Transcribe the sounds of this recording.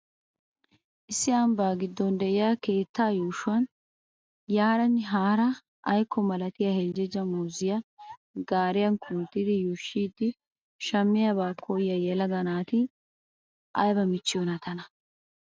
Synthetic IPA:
ʔɪsːɪɐmbaːɡɪd̪ːɔnd̪ɛʔɪjaːke̞ːt̪ːaːjuːʃʊwɐn | jaːɾɐnːɪɦaːɾɐ | ʔɐjkːɔmɐlɐt̪ɪjɐhɛld͡ʒɛd͡ʒɐmuːzɪjɐ | ɡaːɾɪjɐnkʰʊnt̪ːɪd̪ɪjuːʃːiːd̪ːɪ | ʃɐmːɪjɐbaːkʰːɔjjɐjɛlɐɡɐnaːt̪ɪ | ʔɐjbɐmɪt͡ʃːɪjɔnɐt̪ʰɐnɐ

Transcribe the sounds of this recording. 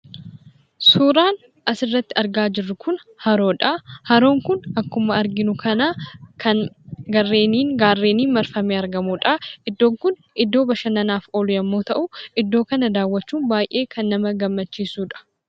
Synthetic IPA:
suːɾaːn | ʔɐsɪrːɐt̪ːɪɐɾɡaːd͡ʒɪrːʊkʰʊn | hɐɾo̞ːᶑɐhɐɾo̞ːŋkʊnɐkːʊmɐɐɾɡɪnʊkʰɐnaːkʰɐnɡɐrːe̞ːniːŋɡaːrːeːniːnmɐɾfɐmeːɐɾɡɐmuːᶑɐʔɪd̪ːo̞ːŋkʊn | ɪd̪ːo̞ːbɐʃɐnɐnaːfoːlʊjɐmːo̞ːt̪ɐʔʊɪd̪ːo̞ːkɐnɐd̪aːwːɐt͡ʃːuːnbaːjʔe̞ːkɐnːɐmɐɡɐmːɐt͡ʃːiːsuːᶑɐ̥

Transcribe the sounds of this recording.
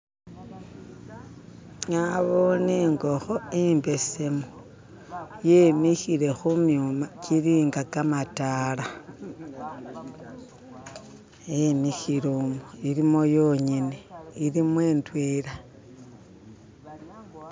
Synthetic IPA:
ɲaβoneːŋɡoxoimbe̞semo | jemixiɾe̞xumjumakiɾiːŋɡakamatala | jemixiɾomoiɾimojoɲineiɾimweːntweːɾa

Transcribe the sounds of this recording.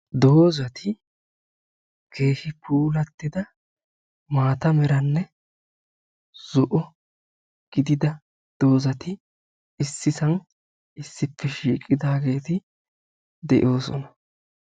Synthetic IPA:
d̪o̞ːzɐt̪ʰɪ | ke̞ːhɪpʰuːlɐt̪ːɪd̪ɐ | maːt̪ɐmɛɾɐnːɛ | z̥ʊʔɔ | ɡ̥ɪd̪ɪd̪ɐ | d̪̥o̞ːzɐt̪ɪ | ɪsːɪsɐn | ɪsːɪpʰːɛʃiːkʼːɪd̪aːɡe̞ːt̪ɪ | d̪ɛʔo̞ːsɔ̰nɐ

